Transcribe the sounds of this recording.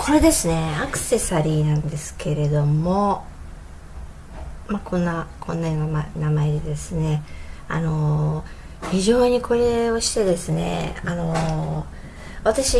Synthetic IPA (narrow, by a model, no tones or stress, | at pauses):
kʰo̞ɾe̞d̪e̞sɨne̞akɯ̟̥se̞saɾʲiːnãnd̪e̞sɨ̥ke̞ɾe̞d̪o̞mo̞ | makõ̞nːakʰõ̞nːaanamaed̪e̞d̪e̞sɨne̞a̰no̞ | çiʑo̞ːɲ̟ikʰo̞ɾe̞o̞ɕi̥t̪e̞d̪e̞sɨne̞̰ano̞ | βat̪aɕi